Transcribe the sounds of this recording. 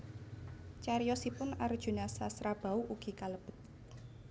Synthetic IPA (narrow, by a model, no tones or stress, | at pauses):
t͡ʃaɾijɔsipʊnard̥ʒ̥ṳnasasɾab̥a̤uʔuɡ̥ikaləb̥ə̤t̪̚